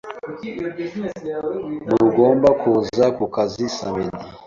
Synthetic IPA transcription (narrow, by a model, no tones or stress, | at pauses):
muɾuɡoːmbakʰuzakukazisaβeni